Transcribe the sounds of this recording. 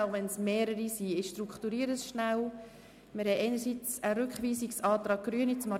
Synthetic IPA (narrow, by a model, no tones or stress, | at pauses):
ʊvɛnsmeːɾəɾisiɪʃtrukχt̪uɾiːəɾəsʃnaw | mɪɾhɛʔɛɪnəɾsiːt͡səɾʏkχʋiːsiksɑːt̪ɾɑːɡ̥̚ɡ̥ɾyənit͡smɑ